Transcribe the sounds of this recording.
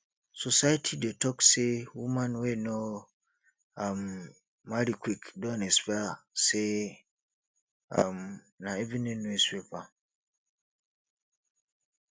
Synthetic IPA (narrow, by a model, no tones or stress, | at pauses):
sosajatʰidetʰɔksewumãnweno | amː | aɾikʰwikdɔ̃nɛspɛse | am | nãɛvĩnɛ̃nũeswepã